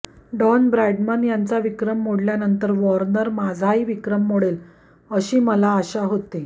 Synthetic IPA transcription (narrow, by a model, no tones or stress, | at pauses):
ɖɔnbɾaɖmənjant͡saʋikɾəmːoɽljanənt̪əɾʋɔɾnəɾmad͡zʱaɦiːʋikɾəmːoɽel | əɕiːməlaːɕaɦot̪e